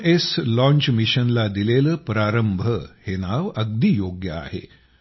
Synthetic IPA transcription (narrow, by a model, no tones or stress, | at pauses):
eslɔ̃ɲt͡ɕmiɕənlad̪ileləpɾaɾəmbʱəhenaʋəɡ̚d̪iːjoɡjəa̰hḛ